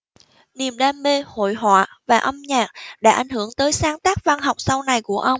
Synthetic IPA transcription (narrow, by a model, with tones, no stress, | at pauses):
ni˨˩əmɗaː˧mːe˧ho̰˧˨jɦwa̰ː˧˨vaː˨˩ʔə˧mɲaː˨˩k̚ɗa̰ː˧˥ʔa˨˩jŋ̟hɨ˧˩əŋt̪əː˨˦jsaː˨˦ŋt̪aː˦˥k̚va˧nɦa˨˩wk͡p̚sa˧wna˨˩jku˧˩əʔə˧wŋ͡m